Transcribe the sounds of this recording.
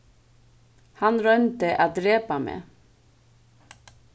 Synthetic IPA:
hɑnɾœnt̪əʔaːd̪ɾeːpamḛː

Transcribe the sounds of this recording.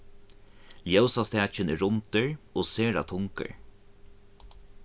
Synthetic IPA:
ljœsast̪eɛt͡ʃənɾʊnt̪əɹoːseːɹa̰t̪ʰʊŋkə̰ɹ

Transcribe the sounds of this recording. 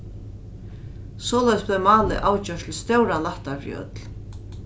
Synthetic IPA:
sɔːlaɛjsblɛmaːlɪ̰ʔaːwt͡ɕœʂt̪lst̪œwɾalaht̪aɾj̰œ̰t̪l̥

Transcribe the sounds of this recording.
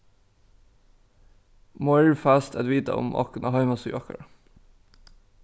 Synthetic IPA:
mɔɪlfæːst̪ʰɛd̪ʋiːt̪ɑ̰ʊ̰mʔɑ̰kənɑhɑɪmɑsʉ̰ːʋɑkə̰ɹ

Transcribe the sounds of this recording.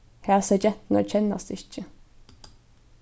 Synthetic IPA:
hæːʁsæd͡ʒɛt̪n̩æ̰t͡ʃʰɛnɑ̰sd̪ɪçə

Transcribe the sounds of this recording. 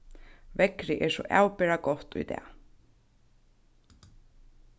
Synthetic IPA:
vɛkɾɪʔɛɾ̥sɔ̰ʔa̰ːwpɛɾakɔht̪ṵjt̪ɛ̰ː

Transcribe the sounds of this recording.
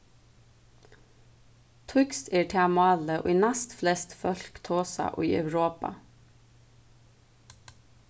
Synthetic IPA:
t̪ʰʊkst̪eːʈʰɛɑmɑːləʔo̰ːiːnæst̪flɛst̪fœlkt̪ʰoːsɑ̰ʔo̰ːḭːʔɑ̰ʉɾoːpɑ̰

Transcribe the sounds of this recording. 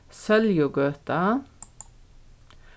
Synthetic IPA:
sɛljʊɡøːt̪ɑ

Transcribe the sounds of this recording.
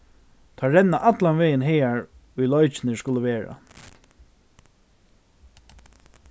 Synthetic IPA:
t̪ʰɑːɾɛnːaʔat̪lanʋeːjɪnɦejaɹʊjlɔʏt͡ʃɪnɪskʊləʋeːɹa̰

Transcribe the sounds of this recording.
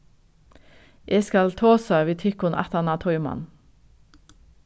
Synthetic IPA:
ʔeːskɑlt̪ʰoːsɑʋiːt̪ʰʏkʊnʔæ̰t̪ɑnɑːt̪ʰɔʏmɑ̰n

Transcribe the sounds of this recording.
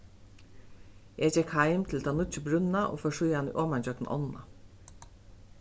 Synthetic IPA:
jʔæçɛkhɑɪmt̪ʰɪlt̪ʰɑːnʊt͡ʃəbɾʉnnɑʔo̰ːfɔːʃyːɑnḭːʔoːmɑnçœkn̩ʔɔ̰nn̩ɑ

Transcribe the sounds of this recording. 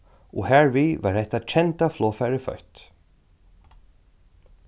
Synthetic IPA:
ɔ̰hɛɹvivaɾhɛht̪at͡ʃʰɛnt̪aflɔːfɛɾɪfœ̰ht̪

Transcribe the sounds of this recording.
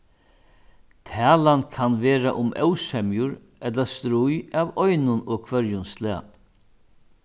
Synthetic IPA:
t̪ʰæːlankʰanʋeːɾa̰ʔʊmʔœ̰wsɛmjʊɾ | ʔɛt̪last̪ɾʊjaʋɔʏnʊnɔːɡ̚kʰʋœɾjʊnslɛa̰

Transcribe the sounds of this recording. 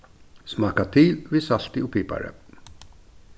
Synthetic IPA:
smɑːkat̪ʰiːlvisalt̪ɪʊpʰiːpa̰ɾə̰

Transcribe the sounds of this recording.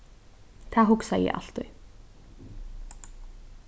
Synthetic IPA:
θʰaɦʊksajɛ̰ʔa̰ɬt̪ʏ

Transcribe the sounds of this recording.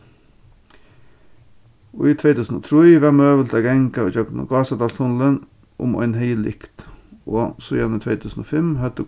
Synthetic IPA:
o̰ːiːt̪ʰʋeɪt̪ʰʉːsn̩o̰ːt̪ʰɾiːʋɛmøːʋəlt̪æɡɛŋkɑɔçøkt̪no̰ːɡɑːsɑd̪ɑːlt̪hʊnlən | ʔʊ̰mɔ̰ɪnhœɪlɪ̰kt̪ʔoːsɔjɛnət̪ʰʋeɪt̪ʰʉːsn̩o̰ːfɛmhœt̪ə

